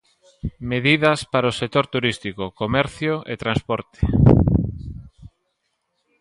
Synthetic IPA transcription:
meðiðɐspaɾaosek̚t̪oɾt̪uɾist̪ikokomɛɾθjoʔḛt̪ɾanspɔɾt̪e̥

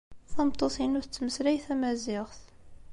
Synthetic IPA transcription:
θɑmt̪ˤːosˤinʊθət͡sːməsɾæjθæmæzɪʁθ

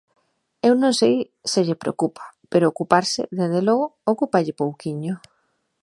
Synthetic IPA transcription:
ewnõŋsej | sɪʎepɾḛokupʰḁpeɾoːkupaɾsɪ̰ðezðelɔɣʊokupaʎɪpowkiɲʊ

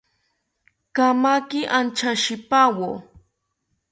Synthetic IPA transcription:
kamakɪʔant͡ʃaʃɪpawo

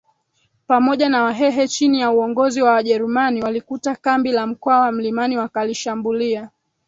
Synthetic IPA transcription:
pamɔʄanawaɦɛɦɛt͡ʃinijauɔŋɡɔziwawaʄɛɾumaniwalikutakambilam̩kɔawam̩limaniwakaliʃambulia

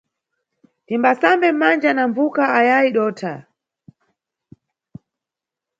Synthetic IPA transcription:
timbasambɛm̩mand͡ʒanamvukaajaiɗɔːtʰa

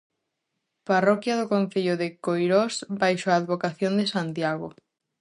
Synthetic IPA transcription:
parɔkjaðʊkõn̟θeʎʊðekojɾosbajʃoaːðβokaθjõnd̪esant̪jaɣo

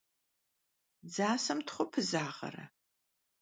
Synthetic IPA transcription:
d͡zaːsɐmtχʷʊpʰɨzaːʁɐ̰ɾɐ̰

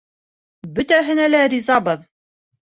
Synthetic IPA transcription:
bɵ̆t̪æɦɘ̆nælæɾʲizɑbɤð

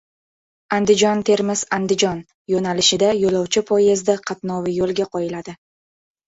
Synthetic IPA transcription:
and̪ɪd͡ʒɒnt̪ʰe̞ɾmɪz̥and̪ɪd͡ʒɒn | jonalɪʃɪd̪ajolɒwt͡ʃʰɪpʰɒjɪzd̪aqʰɑt̪nɒvɪjolˠɡʲaqʰɒjɪlad̪ɪ

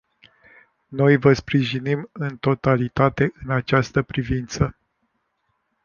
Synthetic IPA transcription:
no̞jvəspɾiʒinimɨnt̪o̞t̪alit̪at̪e̞ʔɨnat͡ʃast̪əpɾivint̪sə

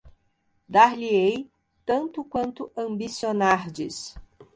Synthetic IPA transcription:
d̪aɾliej | t̪ɐ̃nt̪ʊkwɐ̃nt̪ʊɐ̃bisionaɾd͡ʒɪs

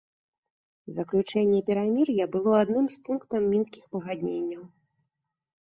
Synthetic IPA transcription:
zɐklʲut͡ʂɛnʲːɛpʲɛɾamʲirjɐbɨlˠɔad̪nɨmspunkt̪ɐmːʲinskʲixpɐɣad̪ʲnʲenʲːɐw

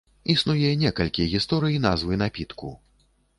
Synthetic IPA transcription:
isnujɛnʲɛkɐlʲkʲijɛɣʲist̪ɔɾɨjinazvɨnapʲit̪kṵ

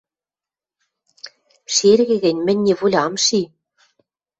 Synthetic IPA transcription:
ʃerɣɘ̆ɣɘ̆nʲmɘ̆nʲːeβulʲɑmʃi

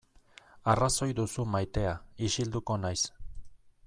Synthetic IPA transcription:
araso̞jd̪usumajt̪e̞aiʃild̪uko̞najs

